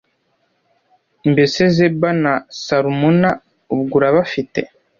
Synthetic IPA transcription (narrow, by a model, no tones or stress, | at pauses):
mbesezebanasaɾumuna | ubɡuɾaβafitḛ